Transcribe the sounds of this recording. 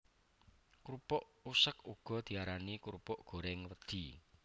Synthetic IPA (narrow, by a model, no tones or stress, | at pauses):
kuɾupɔʔusəkuɡ̥ɔ̤d̪̥i̤aɾanikuɾupɔʔɡ̥o̤ɾɛŋwəd̪̥i̤